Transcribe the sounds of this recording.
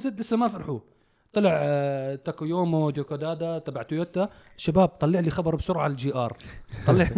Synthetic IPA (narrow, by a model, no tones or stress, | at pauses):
zɪd̪lɪsːamafɑɾˤħu | t̪ˤɑlɪʕt̪akojoːmod̪okad̪aːd̪at̪ˤabaʕt̪ʊjot̪aʃabaːb̚t̪ˤɑlːɪʕlixabɑɾˤbʃʊɾʕald͡ʒiːʔɑːɾˤt̪ˤɑlːɪʕ